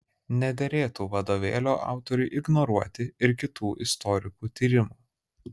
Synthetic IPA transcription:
nʲɛd̪ʲɛɾʲeːt̪uːʋɐd̪oːʋʲḛːlʲoːʔɑ̰ˑʊt̪ɔɾʲʊɪʔɪɡnɔɾuɔt̪ʲɪɪɾkʲɪt̪uːʔɪst̪ɔɾʲɪkuːt̪ʲiːɾʲɪmuː

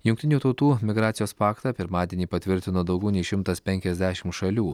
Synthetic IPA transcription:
jʊŋk̚ʲt̪ʲɪnʲuːt̪ɐʊt̪uːmʲɪɡɾɑːt̪ʲɪjoːspɑːkt̪ɑːpʲɪɾmɑːd̪ʲiɛnʲiːpɐt̪ʲʋʲɪɾʲt̪ʲɪnoːd̪ɐʊɡʲɛʊnʲɛɪʃʲɪmt̪ɐspʲɛŋʲkʲɛzʲd̪ʲæʃʲɪmtʃɐlʲuː

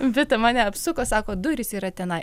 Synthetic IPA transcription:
ʋʲɪt̪ɐmɑːnʲɛɐpsʊkoːsɑːkoːd̪ʊɾʲɪsiːɾɐt̪ʲɛnɐɪ

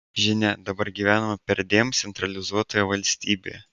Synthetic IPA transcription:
ʒʲɪnʲɛd̪ɐbɐɾɡʲiʋʲæːnɐmɐpʲɛɾd̪ʲeːmt̪sʲɛnt̪ɾɐlʲɪzuɔt̪ojɛʋɐlʲsʲt̪ʲiːbʲḛːɛ

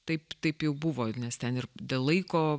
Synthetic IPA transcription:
t̪ɐɪpt̪ɐɪpjɛʊbʊʋoːnʲɛst̪ʲɛnɪrd̪ʲeːlˠlˠɐɪkoː

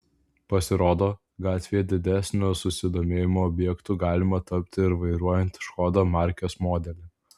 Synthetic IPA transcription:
pɐsʲɪɾoːd̪oː | ɡɑːt̪ʲʋʲejɛd̪ʲɪd̪ʲæsʲnʲʊsʊsʲɪd̪oːmʲeːjɪmoːɔbʲjɛkt̪ʊɡɑːlʲɪmɐt̪ɐpʲt̪ʲɪɪɾʋɐɪɾuɔjɛnʲt̪ʲʃkɔd̪omɑˑɾʲkʲoːsmoːd̪ʲɛlʲɪ

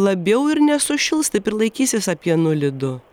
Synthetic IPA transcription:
lˠɐbʲɛʊɪɾnʲɛsʊʃʲɪlˠst̪ɐɪpɪɾlˠɐɪkʲiːsʲɪsɐpʲiɛnʊlʲɪd̪ʊ

